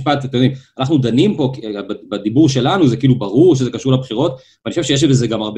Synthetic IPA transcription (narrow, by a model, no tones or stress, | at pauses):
ʃpat̪at̪enimanaχnud̪animpo̞kbbad̪ibuʁʃe̞lanuzekiiːlubaʁuʁʃ̬ezekaʃuʁlabχiʁo̞t̪vvanioʃevʃeeʃ̬vezeɡamaʁb